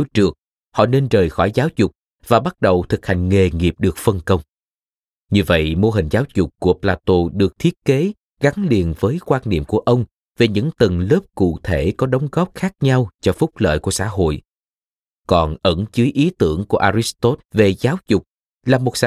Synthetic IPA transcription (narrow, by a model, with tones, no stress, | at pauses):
t͡ɕɨ˨˩ək̚ | hɔ̰˧˨ne˧nzəː˨˩jxɔ˧˩jzaː˨˦wzʊ˨˩k͡p̚ | vaː˨˩ɓa˦˥t̚ɗə˨˩wt̪ʰɨ˨˩k̚ha˨˩jŋ̟ŋe˨˩ŋi˨˩əp̚ɗɨ˨˩ək̚fə˧nkə˧wŋ͡m | ɲɨ˧və̰˧˨jmo˧ɦï˨˩ŋ̟zaː˨˦wzʊ˨˩k͡p̚ku˧˩əplaː˧t̪o˧ɗɨ˨˩ək̚t̪ʰi˦˥ət̚ke˨˦ | ɣa˨˦ŋli˨˩ənvəː˨˦jkwaː˧nnḭ˧˨əmku˧˩əʔə˧wŋ͡m | ve˨˩ɲɨ̰˧˥ŋt̪ɨ˨˩ŋlə˦˥p̚kṵ˧˨t̪ʰe˧˩kɔ˨˦ɗə˨˦wŋ͡mɣɔ˦˥p̚xaː˦˥k̚ɲa˧wt͡ɕɔ˧fʊ˦˥k͡p̚lə̰ː˧˨jku˧˩əsa̰ː˧˥ɦo̰˧˨j | kɔ˨˩nʔə˧˩nt͡ɕɨ˨˦jʔi˨˦t̪ɨ˧˩əŋku˧˩əʔaː˧ɾi˦˥st̪o˦˥t̚ve˨˩zaː˨˦wzʊ˨˩k͡p̚ | laː˨˩mo˨˩t̚sa˧